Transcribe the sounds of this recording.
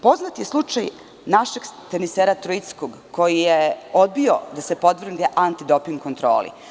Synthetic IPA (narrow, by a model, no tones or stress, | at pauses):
po̞znat̪je̞slˠut͡ʃaj | naʃeɡt̪eniseːɾat̪ɾuit̪skoɡ | ko̞jijeo̞d̪̚bio̞d̪asepo̞d̪vr̩nd̪eʔant̪id̪o̞piŋɡkont̪ɾo̞̰ːlḭ